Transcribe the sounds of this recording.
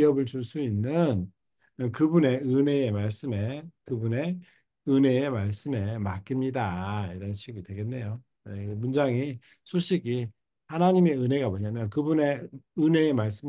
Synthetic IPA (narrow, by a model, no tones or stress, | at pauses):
iʌbɯɭt͡ɕuɭs͈uinːɯn | kɯbune̞ɯne̞ːmaɭs͈ɯme̞kɯbune̞ | ɯne̞ːmaɭs͈ɯme̞mak͈imɲidaiɾʌnɕʰiɡidweɡe̞nːe̞jo | emund͡ʑaŋi | sʰoɕʰiɡi | hanaɲime̞ɯne̞ɡamoɲamjʌnkɯbune̞ɯne̞ːmaɭs͈ɯm